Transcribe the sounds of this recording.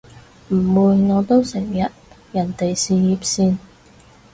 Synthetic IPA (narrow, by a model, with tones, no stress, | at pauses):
m̩˨˩wuː˨˧jŋɔː˨˧t̪o˥wsɪ˨˩ŋjɐ˨t̚ | jɐ˨˩nt̪e˨jsiː˨jiː˨˧p̚siː˧n